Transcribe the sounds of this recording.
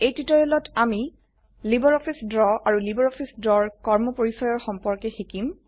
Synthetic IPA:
ejtitɔjɔlɔtʰami | libɔɹɔpʰisdɹɔaɹulibɔɹɔpʰisdɹɔɹkɔɹmɔpoɹisɔjɔɹxɔmpɔɹkɛxikim

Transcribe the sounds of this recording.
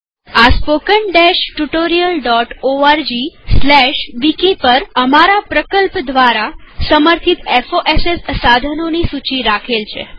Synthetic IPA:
aspokəɳɖɛʃʈuʈoɾijəlɖɔʈoaɾd͡ʒislɛʃʋikipəɾəmaɾapɾəkəlpd̪ʋaɾasəməɾt̪ʰit̪efoʔesessad̪ʱənonisut͡ʃiɾakʰelt͡ʃʰḛ

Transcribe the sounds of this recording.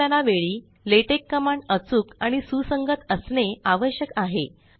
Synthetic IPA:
anaʋeɭiː | leʈekːəmaɳət͡suːkaɽ̃isusəŋɡət̪əsneaʋəɕjəkaɦe

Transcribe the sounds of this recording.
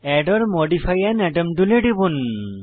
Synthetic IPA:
ɛɖɔɾmɔɖipʰajanɛɖɔmɖuleɖibun

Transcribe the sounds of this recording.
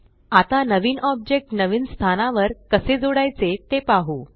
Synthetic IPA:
at̪anəʋiːnʔɔb̚d͡ʑek̚ʈnəʋiːnst̪ʰanaʋəɾkəsed͡zoɽajt͡set̪epaɦu

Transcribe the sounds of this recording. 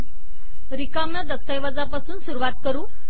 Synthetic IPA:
ɾikamnad̪əst̪ajʋad͡zapasuːnsuɾuʋat̪̚kəɾuː

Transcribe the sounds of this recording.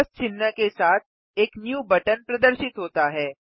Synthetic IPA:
st͡ʃɪnːəkesaːt̪̚ʰ | eːknjuːbɐʈənpɾɐd̪əɾʃɪt̪ɦoːt̪aɦɛː

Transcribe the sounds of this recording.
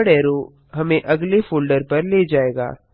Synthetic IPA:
ɽɛːɾo | ɦɐmẽʔɐɡlefoːlɖəɾpɐɾleːd͡ʒaːeːɡa̰ː

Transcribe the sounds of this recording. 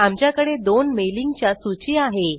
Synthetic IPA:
amt͡ɕjakəɽed̪onmeliŋɡt͡ɕjasut͡ɕiaɦe

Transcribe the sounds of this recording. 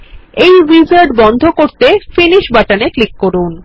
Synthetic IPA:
ejɾizaɾɖ̚bɔnd̪ʱokoɾt̪efiniʃbaʈaneklikːoɾun

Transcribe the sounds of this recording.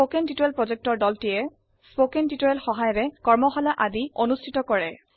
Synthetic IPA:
okɛntitoɛlpɹɔzɛk̚tɔɹdɔltijɛ | spokɛntitɔjɛlxɔɦajɔɹɛkɔɹmɔxɔlaʔadionustʰitɔkɔɹɛ

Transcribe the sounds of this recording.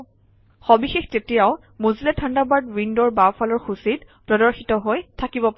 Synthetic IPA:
xɔbixextetijaʊ | muzilɛtʰandabaɹdwindɔɹbawfʰalɔɹxusit | pɹɔdɔɹxitɔɦojtʰakibɔpa

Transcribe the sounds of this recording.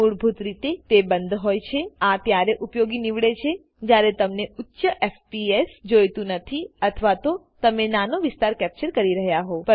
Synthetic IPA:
uɽbʱut̪ɾit̪et̪ebənd̪ʱɦojt͡ʃʰeat̪jaɾeʔupjoɡiniʋɭet͡ʃʰe | d͡ʒjaɾet̪əmneutːʃəʔefpiesd͡ʒojt̪ũnət̪ʰiət̪ʰʋat̪o | t̪əmenanoʋɪst̪aɾkɛp̚t͡ʃəɾkəɾiɾəɦjaɦopə

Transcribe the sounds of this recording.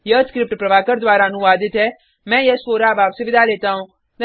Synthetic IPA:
jəskɾɪp̚ʈpɾɐʋaːkəɾd̪waːɾanũʋaːd̪ɪt̪ɛ | mɛ̃ːjəspoːɾaːbaːpsʊʋɪd̪aːleːt̪aːɦũː | t̪ɐ

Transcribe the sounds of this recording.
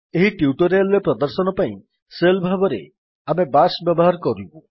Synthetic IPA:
eɦiʈiuʈɔɾealɔɾepɾɔd̪ɔɾsɔnɔpaĩ | selbʱabɔɾḛ | amebasbjɔbɔɦaɾkɔɾibu

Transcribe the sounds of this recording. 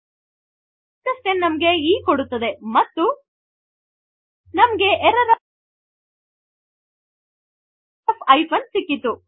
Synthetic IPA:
t̪ːɐst̪enːɐmɐɡe̞iːkoɽut̪ːɐd̪e̞mɐt̪ːu | nɐmɐɡe̞ʔɛɾɐɾ | pʰɐjpʰɐnsikːit̪u

